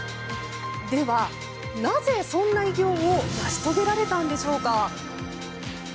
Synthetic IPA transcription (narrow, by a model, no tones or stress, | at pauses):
d̪e̞βa | naze̞sõ̞nːaiɡʲo̞ːonaɕi̥t̪o̞ɡe̞ɾaɾe̞t̪ãnd̪e̞ɕo̞ːka